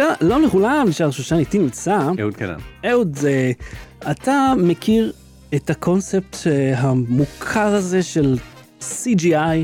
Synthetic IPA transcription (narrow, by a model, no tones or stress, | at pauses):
ʃalomleχulamiʃaʁʃuʃanit̪inimt͡saḛudana̰neudeatamekʰiʁ | etakʰo̞nsep̚tɦamukʰaʁaze̞ʃe̞l | sid͡ʒiaj